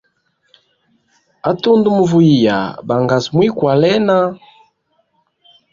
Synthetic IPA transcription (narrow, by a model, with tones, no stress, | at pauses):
a˦tu˦ndu˦mu˨vu˦i˨ja̰˨ba˨ŋɡa˨smwi˦kwa˨lɛ˦na˦